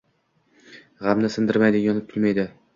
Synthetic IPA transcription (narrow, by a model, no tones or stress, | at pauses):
ʁamnɪsɪnd̪ɪɾmajd̪ɪjɒnɪp̚bʲʰɪlʲmajd̪ɪ